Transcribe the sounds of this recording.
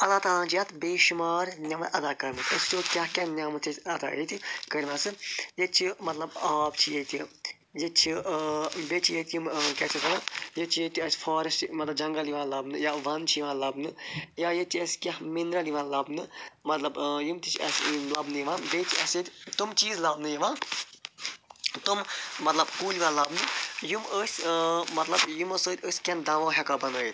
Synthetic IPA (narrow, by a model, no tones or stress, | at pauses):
ɐt̪aːt̪ãːnt͡ʃʰijɐt̪beːʃumaːɾnʲɐmɐt̪ɐd̪aːkɐɾmɐt̪ʰʲɐst͡ʃoːkʲɐhkʲɐnʲamɐt̪ʰet̪ʰʲɐt̪a̰jet̪ʲikɐɾmɐsɨjet͡ʃʰimɐt̪lɐbaːbt͡ʃʰijet̪ʲi | jet͡ʃʰi | bet͡ʃʰijet̪ʲjumkʲɐt͡ʃʰit̪ʰɐnajet͡ʃʰijet̪ʲiɐsfaːɾɐstmɐt̪lɐbd͡ʒɐŋɡɐliʋãːlɐbnɨjaʋɐnt͡ʃʰijʋãːnlɐbnɨjajet̪ʰiɐsʲkʲɐhmind̪ɾɐliʋãːlɐbnɨmɐt̪lɐbjumt̪it͡ʃʰiɐ̰smlɐbnɨjiʋãːnbet͡ʃʰiɐsʲit̪ʲt̪umt͡ʃiːzlɐbnɨjɐʋãːn | t̪ummɐt̪lɐbkuːliʋãːlɐbnɨjuməːsʲmɐt̪lɐbjumɐsəːt̪ʲəsʲkʲɐnd̪ɐʋõːɦʲɛkabɐnoːjit̪